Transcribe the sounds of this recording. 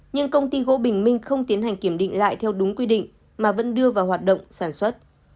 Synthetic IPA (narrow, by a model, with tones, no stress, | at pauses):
ɲɨ˧ŋkə˧wŋ͡mt̪i˧ɣo̰˧˥ɓï˨˩ŋ̟mï˧ŋ̟xə˧wŋ͡mt̪i˨˦ənhɦa˨˩ŋ̟ki˧˩əmɗḭ˧˨ŋ̟la̰ː˧˨jt̪ʰɛ˧wɗʊ˨˦ŋ͡mkwi˧ɗḭ̈˧˨ŋ̟ | maː˨˩və̰˧˥nɗɨ˧əvaː˨˩whɦaː˨˩t̚ɗə̰˧˨wŋ͡msaː˧˩nswə˦˥t̚